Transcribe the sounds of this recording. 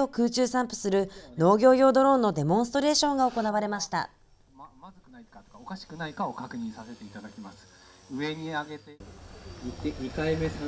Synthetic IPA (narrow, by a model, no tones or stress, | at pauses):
o̞kɯ̟ːt͡ɕɨːsãmpɯ̟̥sɨɾɯ̟no̞ːɡʲo̞ːɡʲo̞ːd̪o̞ɾõ̞nːo̞d̪e̞mõɰ̃sɨ̥t̪oɾe̞ːɕõ̞ŋɡaoko̞naβ̞aɾe̞maɕi̥t̪a̰ | mamazɨkɯnaikat̪o̥kaokaɕi̥kɯ̟naikao̞kakɯ̟ɲ̟ĩɰ̃sase̞t̪e̞it̪ad̪akʲimasɨ̥ | ɯ̟e̞ɲ̟iaɡe̞t̪eieikaime̞sa